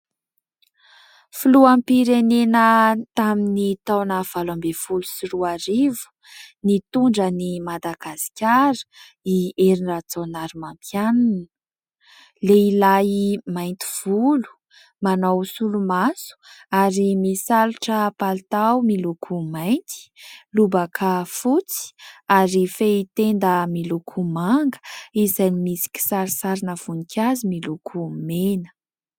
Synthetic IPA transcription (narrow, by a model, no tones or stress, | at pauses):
filuampiɾenenət̪aminit̪awnav̥alambefulu̥siɾuaɾivu̥ | nit̪uɳɖ͡ʐənimad̪aɡasi̥kʲaɾə̥ | ieɾinrat͡sonaɾimampjananə | leilaimajnt̪i̥v̥ulu̥ | manawsulumasu̥aɾimisaluʈ͡ʂəpalt̪awmilukʰumajnt̪i̥lubəkʰəfut͡si̥aɾifeit̪end̪əmilukʰumaŋɡə̥izajnimisi̥kʲi̥saɾisaɾinəv̥unikʰʲazimilukʰumenə̥